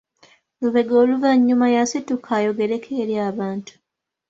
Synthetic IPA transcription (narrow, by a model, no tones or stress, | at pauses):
luβe̞ɡo̞ːluvaɲːumajasitukʰajo̞ɡe̞ɾe̞kʰeːɾjaːβaːntu̥